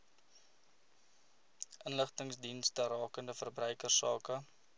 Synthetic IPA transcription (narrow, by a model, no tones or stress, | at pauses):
ʔənləχtəŋsdinstərɑːkəndəfərbrœɥkərsɑːkə